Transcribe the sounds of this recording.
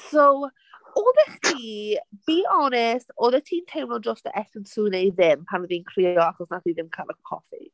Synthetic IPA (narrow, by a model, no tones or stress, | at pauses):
sow | oːdɛχtʰiːb̥iːɔnɛstoːðɛtʰiːntʰejmnɔd͡ʒɔstəʔɛθənsuːnejðɪmpʰanəðiːnkʰriːɔaχɔsnatʰiːðɪmkʰaːlˠəkʰɔ̰fḭ